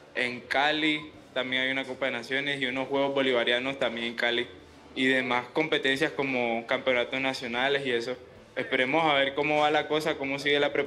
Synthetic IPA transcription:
e̞ŋkali | t̪ambje̞ŋajunakopaðenasjo̞ne̞siuno̞sxwe̞ɣ̞o̞zβo̞liβaɾjano̞st̪ambje̞ŋeŋkali | iðe̞masko̞mpe̞t̪e̞nsjasko̞mo̞kampeo̞nat̪o̞snasjo̞nale̞sie̞so̞ | e̞spe̞ɾe̞mo̞saβe̞ɾko̞mo̞βalako̞sako̞mo̞s̬iɣelapɾe

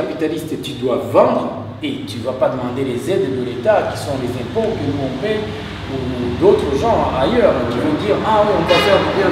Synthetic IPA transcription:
kapit̪alist̪t̪yd̪wavɑ̃d̪ʁ | et̪yvapad̪əmɑ̃d̪elezɛd̪d̪əlet̪akʲi̥sɔ̃lezɛ̃pokənuɔ̃pɛ | ud̪ot̪χəʒɑ̃ajœʁkivɔ̃d̪iʁɛ̃ɔ̃bat̪ɛʁmɔ̃d̪ɛ

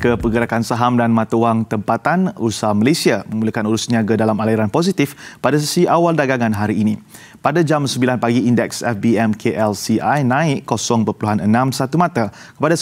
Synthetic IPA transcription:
kəpəɡəɾakansaɦamdanmãt̪awaŋt̪əmpat̪anṵsamalesiamə̃ŋuləkanuɾusniaɡadalamaliɾanpos̬it̪ifpadas̬əsiʔawaldaɡaŋãnɦaɾiːnĩ | padad͡ʒamsəmbilanpaɡiindɛksɛfbiɛmkʰeʔɛlsiʔajnãɪʔkosɔŋpəpəluɦanənãmsat̪umãt̪akəpada

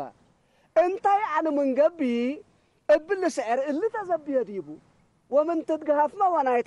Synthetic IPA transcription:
a̰ | ʔɨnt̪ʰajʕanɨmɨŋɡɐbi | ɨbːɨlɨsɨʕɨɾɨlːɨt̪ʰɐzɐbːɨjɐd̪jbu | womɨnt̪ɨd̪ɡɐhafmawɐnajt̪

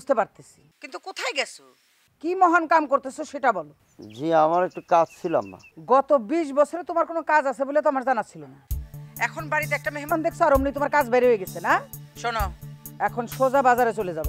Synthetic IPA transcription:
ud͡ʑt̪epaɾt̪e̥sʰi̥kint̪ukot̪ʰajɡɛsʰo | kimɔɦankamkoɾt̪esʰoʃeʈabɔlo | d͡ʑĩamaɾek̚ʈukad͡ʑt͡ɕʰila̰mna̰ɡɔt̪obiʃ̬bɔt͡ɕʰoɾet̪omaɾkonokad͡zasʰeboliet̪̬amaɾd͡ʑanat̪ːt͡ɕʰilonaɛkʰonbaɾit̪̬eɛk̚ʈameɦemand̪ekʰsʰoaɾomnit̪omaɾkad͡ʑbɛɾeɦoeɡɛsʰenaʃonoɛkʰonʃod͡ʑabad͡zaɾet͡ɕoled͡ʑabe

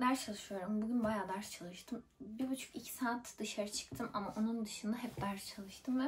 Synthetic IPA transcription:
d̪æɾt͡ʃʰalˠɯʃɯjo̞ɾumbuɟynbajaːd̪aɾt͡ʃʰalˠɯʃt̪ʰɯmbiɾbut͡ʃʰu̥kicʰi̥saːt̪d̪ɯʃaɾɯt͡ʃʰɯ̥kt̪ʰɯmʔamaʔo̞nund̪ɯʃɯnd̪aɦɛp̚d̪aɾt͡ʃʰalˠɯʃt̪ʰɯmvɛ

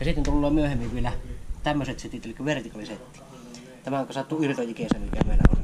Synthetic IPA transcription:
jɑsit̪ːent̪ulːoːmyøhemːiʋʋielæt̪æmːøset̪set̪it̪elikːæʋert̪ikɑliset̪ːi̥ | t̪æmæokːˑɑsɑt̪ːuirt̪ojikeˑsæːnelikːˑæmeˑilːæ̰o̰

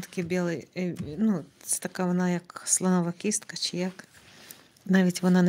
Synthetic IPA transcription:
t̪ɐ̥kʲibʲelˠɨjnu̥t̪ɐkavɐnajakslˠɐnɔvɐkʲist̪kət͡ʃɪjak | naʋʲɪtʲvɐnanɐ

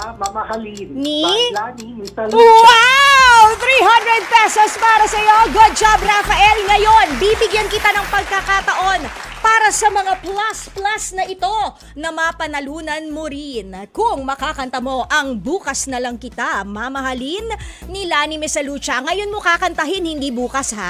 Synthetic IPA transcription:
ni | wawθɾiɦand̪ɹɛd̪̚pɛsospaːɾɐsɐjo̞ɡud̪̚d͡ʒab̚ɾafɐʔɛlŋɐjo̞nbibɪɡjɐnkɪt̪anɐŋpɐɡ̚kakat̪ɐʔo̞npaːɾɐsɐmɐŋaplasplasnɐʔɪt̪o̞ | nɐmɐpɐnɐluːnɐnmoɾɪnkʊŋmɐkakɐnt̪ɐmo̞ʔɐŋbuːkɐsnɐlɐŋkɪt̪amɐmɐhɐlinːilanimɛsɐluːt͡ʃɐŋɐjo̞nmokakɐnt̪ɐɦɪnhɪnd̪ibuːkɐsha̰

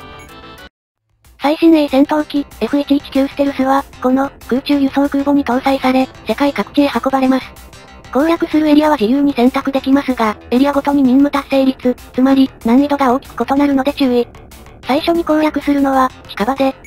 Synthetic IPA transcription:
saiɕĩnːeisẽ̞nt̪õ̞ːkʲie̞ɸɯ̟et̪ʲiːkʲi̥kʲɨːsɨ̥t̪eɾɯ̟sɨβako̞no̞kɯ̟ːt͡ɕɨːjɯ̟sõ̞ːkɯ̟ːbo̞ɲ̟it̪õ̞ːsaisaɾe̞se̞kaikakɯ̟̥kʲeːhako̞baɾe̞masɨ̥ | kõ̞ːjakɯ̟sɨɾɯ̟e̞ɾʲiaβad͡ʑijɯ̟ːɲ̟isẽ̞nt̪akɯ̟d̪e̞kʲimasɨɡae̞ɾʲiaɡo̞t̪o̞ɲ̟iɲ̟ĩmmɯ̟t̪ase̞ːɾʲit͡sɨt͡sɨmaɾʲinãɲːit̪o̞ɡao̞ːkʲi̥kɯ̟̥ko̞t̪o̞naɾɯ̟no̞d̪e̞t͡ɕɨːe | saiɕo̞ɲ̟ikõ̞ːjakɯ̟sɨɾɯ̟no̞βakʲi̥kabad̪e̞

